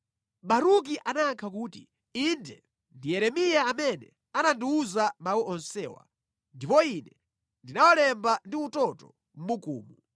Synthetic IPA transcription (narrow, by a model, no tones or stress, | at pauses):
ɓaɾuk̬iʔanaːŋkʰakuːti | indɛ | ndijɛɾɛmijaːmɛnɛ̰ | anandiuzamawiɔnsɛːwa̰ | ndipɔinɛ | ndinawɔlɛmbandiutɔtɔ | m̩mukṵːmu